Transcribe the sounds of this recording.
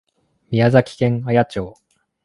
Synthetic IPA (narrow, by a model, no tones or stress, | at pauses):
mʲiazakʲi̥kẽ̞ŋ̃ajat͡ɕoː